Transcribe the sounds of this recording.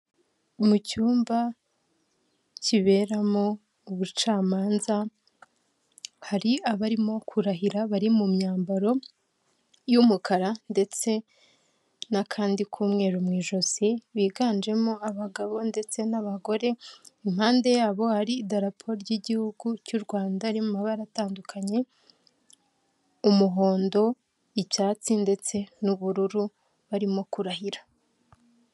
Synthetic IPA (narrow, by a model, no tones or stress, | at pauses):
mucuːmba | ciβe̞ːɾamo̞ | uβut͡ʃaːmaːnza | haɾiaβaɾimo̞kʰuɾaɦiɾaβaɾimumɲaːmbaɾo̞ | jumukʰaɾande̞t͡se̞ | nakʰaːndikʰuːmŋe̞ːɾumŋiːʒo̞ziβiːɡaːnd͡ʒe̞mo̞aβaɡaβo̞nde̞t͡se̞naβaɡo̞ɾe̞imhaːnde̞jaːβo̞haɾiːdaɾapʰoɾɟiɟihuɡucuɾɡwaːndaːɾimumaβaɾataːndukʰaɲe̞ | umuɦo̞ːndo̞ | iβjaːt͡sinde̞t͡se̞nuβuɾuɾu | βaɾimo̞kuɾahiɾḁ